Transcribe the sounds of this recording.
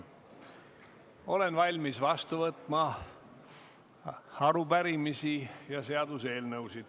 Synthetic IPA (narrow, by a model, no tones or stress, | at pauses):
o̞le̞nvɑlʲmisvɑst̪uvɤt̪ːˑmɑ | ɑɾubæɾimisijɑse̞ɑd̪use̞ːlnɤwsid̪̥